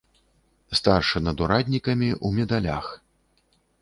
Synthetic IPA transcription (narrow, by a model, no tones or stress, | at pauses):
st̪arʂɨnɐd̪uɾad̪ʲnʲikɐmʲiʔumʲɛd̪alʲa̰x